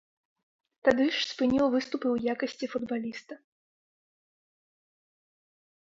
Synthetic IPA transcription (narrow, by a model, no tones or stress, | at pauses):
t̪ad̪ɨʂspɨnʲiwvɨst̪upɨwjakɐsʲt͡sʲifud̪balʲist̪ɐ